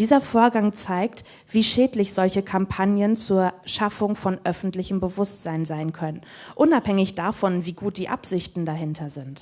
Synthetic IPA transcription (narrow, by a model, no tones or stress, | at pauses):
d̥iːzɐfoːɐɡaŋt͡saɪkt | v̥iːʃɛːtlɪçz̥ɔlçəkʰampʰanjənt͡suːɐʃafʊŋfɔnʔœfn̩tlɪçəmbəvʊstz̥aɪnzaɪnkʰœnənʔʊnaphɛŋɪçd̥aːfɔnviːɡuːt̚d̥iːʔa̰pz̥ɪçtn̩daɦɪntʰɐzɪnt